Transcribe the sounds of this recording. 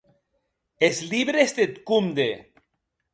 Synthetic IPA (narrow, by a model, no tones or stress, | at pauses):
esliβɾesd̪et̪kumd̪e